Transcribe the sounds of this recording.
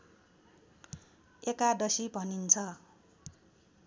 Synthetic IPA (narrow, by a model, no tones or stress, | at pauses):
ekadʌsibʱʌnint͡sʰʌ